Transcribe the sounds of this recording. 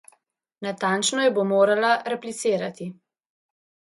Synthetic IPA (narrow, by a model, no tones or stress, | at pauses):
nat̪ant͡ʃnɔjɛbomoːɾalaɾɛplit̪siːɾat̪i